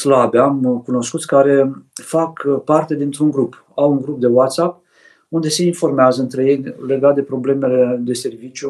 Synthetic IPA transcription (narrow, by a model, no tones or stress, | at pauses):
slabeamkuno̞skut̪sʲkaɾe̞fakpart̪ed̪int̪ɾuŋɡɾup | awuŋɡɾup̚d̪e̞wat̪sap̚ | und̪e̞se̞info̞rmeazəɨnt̪ɾe̞je̞jʲle̞ɡat̪̚d̪e̞pɾo̞ble̞me̞le̞d̪e̞se̞rvit͡ʃju